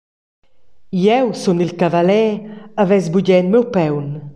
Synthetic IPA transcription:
jɛwsunilkavalɛavɛzbuɟɛnmɛwpɛwn

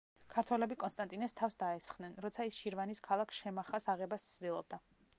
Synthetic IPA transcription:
kʰaɾt̪ʰwɛlɛbikʼɔnst̪ʼant̪ʼinɛst̪ʰafsd̪aɛsχd̪nɛnɾɔt̪sʰaisʃiɾvaniskʰalˠakʰsʃɛmaχasaʁɛbast̪sʰd̪ilˠɔb̚d̪a

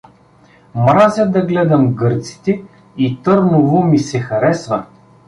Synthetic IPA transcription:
mɾazʲɐd̪ɐɡlɛd̪ɐmɡɤɾt̪si̥t̪ɛ | it̪ɤɾnʊvʊmisɛxɐɾɛsvɐ

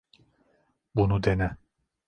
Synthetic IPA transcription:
bunud̪enɛ

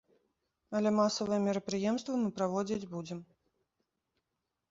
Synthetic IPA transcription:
ɐlʲɛmasɐvɨjɛmʲɛɾɐpɾɨjɛmst̪vɐmɨpɾavɔd͡zʲid͡zʲbud͡zʲɛm

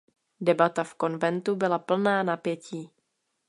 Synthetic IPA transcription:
dɛbat̪afko̞nvɛnt̪ubɪlapl̩naːnapjɛciː

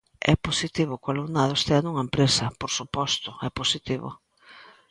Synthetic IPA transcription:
ɛ̰posit̪iβʊkalunaðʊest̪eanuŋɐempɾesɐpoɾsupɔst̪ʊɛposit̪iβʊ̰

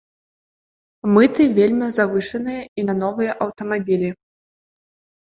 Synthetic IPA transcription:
mɨt̪ɨvʲelʲmʲizavɨʂɐnɨjɐinɐnɔvɨjɐʔɐwt̪ɐmabʲilʲi

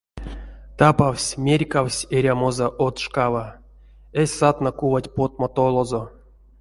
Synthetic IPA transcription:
t̪apawsʲmʲerʲkawsʲeɾʲamozaʔot̪ʂkava | esʲsat̪nakuvatʲpot̪̚mat̪olˠozo

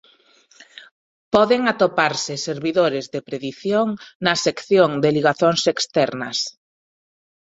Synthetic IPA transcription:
pɔðeŋat̪opaɾsɪseɾβiðoɾɪzðepɾeðiθjoŋnɐsekθjoŋd̪eliɣaθoŋsekst̪ɛɾnɐs

